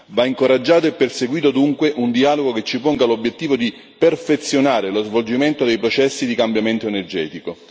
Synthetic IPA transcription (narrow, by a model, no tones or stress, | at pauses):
vaiŋkoɾad͡ʒːaːt̪oepːerseɡwiːt̪̬od̪uŋkweʔund̪iaːloɡoket͡ʃːipoŋɡalobjet̪ːiːvod̪i | perfet̪sjonaːɾelozvold͡ʒiment̪od̪ejpɾot͡ʃɛsːid̪ikambjament̪oenerd͡ʒɛːt̪iko